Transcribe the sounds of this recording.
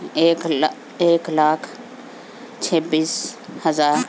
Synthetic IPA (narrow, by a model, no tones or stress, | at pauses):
ek | eːklaːkʰ | t͡ʃʰebiːshəzaːɾ